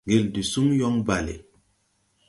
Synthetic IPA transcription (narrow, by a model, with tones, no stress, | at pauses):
ŋɡe˨ldi˨su˦ŋjɔ˦ŋba˨lḛ˨